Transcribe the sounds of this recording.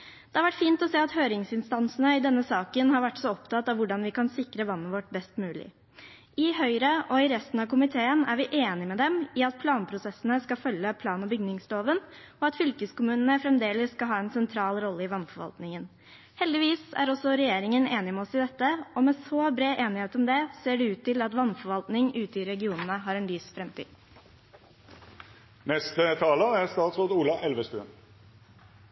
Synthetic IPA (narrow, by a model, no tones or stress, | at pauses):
d̪ɛhɑɾʋæʈfiːnt̪ɔseːɑt̪høːɾɪŋsɪnst̪ɑnsənəɪd̪ɛnːəsɑːkənɦɑɾʋæʈːsɔɔpt̪ʰɑt̪ɑʋʊɖɑnʋɪkɑnsɪkɾəʋɑnːəʋɔʈːbɛst̪mʉːlɪ̰ | ɪɦœʏɾəʔɔɪɾɛst̪n̩ɑʋkʊmɪt̪ʰeːənæɾʋɪʔeːnɪmɛd̪ɛmɪɑt̪̚pʰlɑːnpʰɾʊsɛsːənəskɑfœlːəpʰlɑːnɔbʏɡnɪŋsloːʋən | ɔɑt̪fʏlkəskʊmʉːnənəfɾɛmd̪eːləsːkɑlɦɑːɛnsɛnt̪ʰɾɑːlɾɔlːəɪʋɑnfɔɾʋɑ̰lt̪nɪŋən | hɛld̪ɪʋiːsæ̰ɾɔsɔɾɛjeːɾɪŋəneːnɪmɛɔsɪd̪ɛt̪ːəɔmɛsoːbɾeːʔeːnɪheːt̪ɔmd̪ɛseːɖɛʉːt̪ːɪlɑt̪ʋɑnfɔɾʋɑlt̪nɪŋʉːt̪əɪɾɛɡɪuːnənəɦɑɾɛnlyːsfɾɛmt̪ʰy̰̥ː | nɛst̪ət̪ʰɑːləæʁst̪ɑːt̪sʁoːd̪əuːlɑʔɛlʋəst̪ʉ̰n